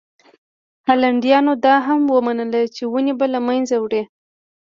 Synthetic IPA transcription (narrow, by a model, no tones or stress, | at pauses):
halaɳɖjɑnod̪ɑɦamwəmanəlat͡ʃewunebalamanzawɽe